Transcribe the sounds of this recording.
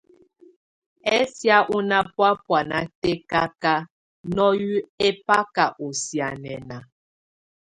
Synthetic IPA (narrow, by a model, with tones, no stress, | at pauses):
ɛ˦sja˦ʔu˦na˦pwa˦pwa˨na˨te˦ka˦ka˦ | nɔ˦ju˦e˦pa˦ka˨ʔo˨sja˨nɛ˨na˨